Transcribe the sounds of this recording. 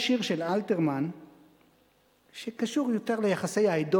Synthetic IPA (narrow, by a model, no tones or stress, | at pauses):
ʃiʁʃelalteʁman | ʃekaʃuʁjo̞t̪e̞ʁlejaχase̞jaido